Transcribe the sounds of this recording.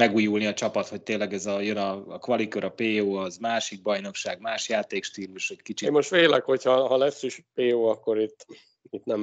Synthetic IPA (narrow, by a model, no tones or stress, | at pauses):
mɛɡuːjulniɒt͡ʃɒpɒt̪ho̞c̚t̪eːnlːɛɡɛzɒjønɒːkʋɒlikøɾɒpeːoːɒzmaːʃiɡ̚bɒjno̞kʃaːɡmaːʃjaːt̪eːkʃt̪iːluʃɛckit͡ʃimo̞ʃt̪ʋeːlɛkho̞chɒɦɒlɛsːiʃpeːoːɒkːo̞ɾit̪ː | it̪nɛm